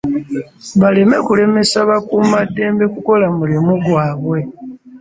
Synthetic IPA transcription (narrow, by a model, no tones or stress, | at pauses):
βale̞me̞kule̞me̞saβakumadːe̞ːmbe̞kuko̞lamulemuɡwaːβwe̞